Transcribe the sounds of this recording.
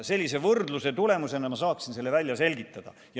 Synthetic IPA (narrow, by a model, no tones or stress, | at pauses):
se̞lʲːise̞vɤrd̪luse̞t̪ule̞muse̞nɑmɑs̬ɑːksinse̞lːe̞vælʲːjɑse̞lʲɡit̪ˑːɑd̪̥ɑ̰ | jɑ